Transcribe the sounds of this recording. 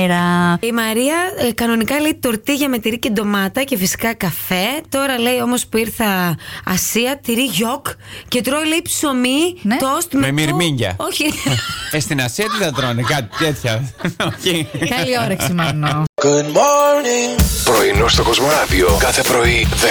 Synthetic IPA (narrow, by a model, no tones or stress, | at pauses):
ɾɐimɐɾiɐkɐno̞nikɐleit̪o̞ɾt̪iʝɐme̞t̪iɾicend̪o̞mɐt̪ɐcefisi̥kɐkɐfe̞t̪o̞ɾɐle̞io̞mo̞spuiɾθɐɐ̰siɐt̪iɾiʝo̞kce̞t̪ɾoileipsomint̪ost̪mmemiɾmiɲɟɐ̰oçiest̪inɐsiɐt̪iðɐt̪ɾonekɐt̪i̥t̪et̪çɐoçikɐlioɾɐksimɐnɡ̥ud̪moɾniŋpɾoinost̪okozmoɾɐðiokɐθepɾo̞iðe